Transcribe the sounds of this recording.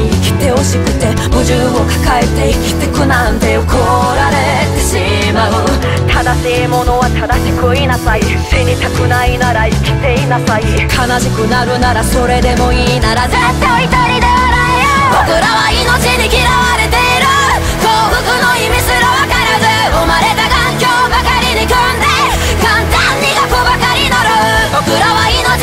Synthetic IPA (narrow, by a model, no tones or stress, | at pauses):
ikʲi̥t̪e̞oɕikɯt̪e̞ | mod͡ʑɯ | okḁkaet̪e̞ikʲi̥t̪ekɯnand̪e̞jokʰoɾaɾet̪e̞ɕi | maɯ | t̪ʰad̪aɕimonowat̪ʰad̪aɕikɯinasai | t͡ɕeɲit̪ʰakɯnainaɾaikʰʲi̥t̪e̞inasaikʰanaɕikɯ̟naɾɯ̟naɾaso̞ɾe̞d̪e̞moinaɾad͡ʑɯt̪oit̪oɾid̪eaɾa | bokɯɾawainot͡ɕiɲikiɾawaɾɯt̪eɾɯ | koɡɯkɯnoimisɯɾowakaɾad͡ʑɯ | omaɾe̞d̪aɡa | kjobakaɾiɲikjoɾond̪e̞ | kant̪aɲːiɡakoɡakaɾinoɾɯbokɯɾawaino